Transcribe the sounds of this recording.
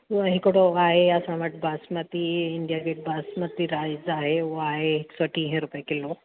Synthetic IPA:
ʊɦɦɪkɽoaːɦeɐsãʋɐʈʰbaːsmət̪iɪ̃ɳɖijaɡeʈ̚baːsmət̪iɾaːɪzaːɦeʊɦoaːɦeɦɪksoʈʰiɦɛ̃ɾʊpekɪlo

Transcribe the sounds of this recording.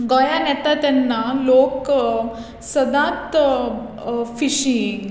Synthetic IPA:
ɡɔjanɛt̪at̪janːalok | səd̪ãt̪ | fiɕiŋɡ

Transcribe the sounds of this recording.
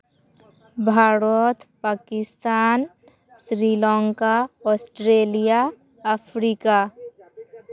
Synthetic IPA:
bʱaːɾɔt̪paːkɪst̪aːn | sɾilɔ̃ːŋkaɔːsʈɾeːlija | əpʰɾiːka

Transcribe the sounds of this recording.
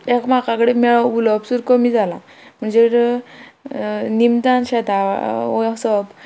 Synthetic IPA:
ekmakakəɽemɛɭɔulɔpsuɾkəmiːd͡zala̰ | m̤əɳd͡zeɾ | nimd͡zanɕɛt̪a̰ɔsɔb

